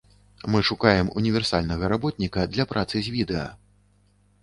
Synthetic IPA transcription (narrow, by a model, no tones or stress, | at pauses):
mɨʂukajɛmunʲivʲɛrsalʲnɐɣɐɾabɔt̪nʲikɐd̪lʲɐpɾʔat̪sɨzʲvʲid̪ɛɐ̰